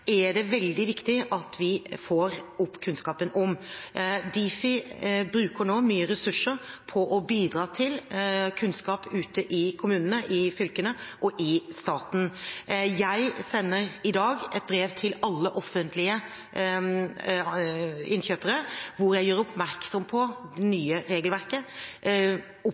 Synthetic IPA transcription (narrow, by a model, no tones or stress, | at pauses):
æɖɛʋɛld̪ɪʋɪkt̪ɪʔɑt̪ʰʋɪfoːɾɔpːkʰʉnskɑːpənʔɔm | d̪iːfɪbɾʉːkəɾnoːmyːəɾɛsʉʂːəɾpʰɔʔɔbiːd̪ɾɑːt̪ʰɪlkʰʉnskɑːpʉːt̪əʔɪkʰʊmʉːnənəʔɪfʏlkənəʔɔʔɪst̪ɑːt̪n̩jæɪsɛnːəɾɪd̪ɑːɡɛt̪̚bɾeːʋt̪ʰɪlɑlːəʔɔfːənt̪ʰlɪə | ɪnçøːpəɾəʋʊɾjæɪjøːɾʊpmæɾksɔmpʰɔd̪ɛnyːəɾeːɡəlʋæɾkə | ʊ